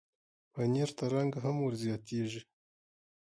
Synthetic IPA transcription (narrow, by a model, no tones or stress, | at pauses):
βaɲeɾtaɾaːŋɡaɦamuɾzijat̪iːʒe